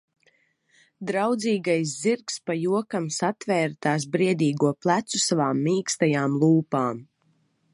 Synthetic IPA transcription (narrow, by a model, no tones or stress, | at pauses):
d̪ɾawd̪ziːɡajs̬ziɾkspajuɔkamsat̪vɛːɾt̪aːs̬bɾiɛd̪iːɡuɔplˠæt̪susavaːmːiːkst̪ajaːmlˠuːpaːm